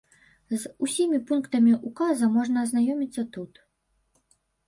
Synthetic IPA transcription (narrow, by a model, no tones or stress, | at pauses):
zusʲimʲipunkt̪ɐmʲiʔukazɐmɔʐnɐːznajɔmʲit̪sːɐt̪ut̪